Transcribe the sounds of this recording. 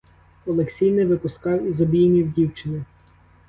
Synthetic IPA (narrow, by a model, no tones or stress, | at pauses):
ɔlˠeksʲijnɪʋɪpʊskɑwizɔbʲijnʲiwdʲiwt͡ʃɪnɪ